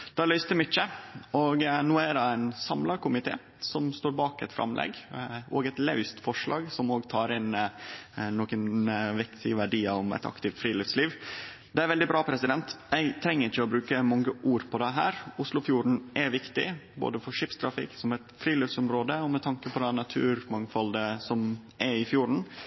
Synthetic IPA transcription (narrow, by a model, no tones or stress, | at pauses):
d̪̥ɛlœʏst̪əmʏt͡ʃːəɔɡnoːæɖɑæɪnsɑmlɑkʊmɪt̪ʰḛː | sɔmst̪oːɾbɑːkɛt̪fɾʔɑ̰mlʔɛ̰ɡoːɡɛt̪lɑʉst̪fɔʂɭɑ̰ːɡsɔmoːɡt̪ʰɑːɾɪn | noːkənʋɛkt̪ʰɪʋæɖiːɑɔmɛ̰t̪ɑ̰kt̪ɪft̪fɾiːlɪftsliːʋ | d̪ɛæɾʋɛld̪ɪbɾɑːpʰɾɛsɪd̪ɛnt̪jæɪt̪ʰɾɛŋːəɾɪçːəɔbɾʉːkəmɑŋːəʔuːɾpʰɔd̪ɛɦæːɾʊslʊfjuːɾɳ̩ʔæʋɪkt̪ɪ̰bo̰ːd̪əfɔʂɪpst̪ʰɾɑfɪ̰ksɔmɛt̪fɾiːlɪfsɔmɾoːd̪əɔmɛt̪ʰɑŋkəpʰɔd̪ɛnɑt̪ʰʉːɾmɑŋfɑld̪əsɔmʔæɪfjuːɾɳ̩